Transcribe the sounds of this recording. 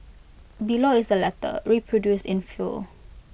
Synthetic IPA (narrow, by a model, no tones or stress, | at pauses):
biloɪsdəlɛtə̰ɹipʰɹodjustɪ̃nfṵl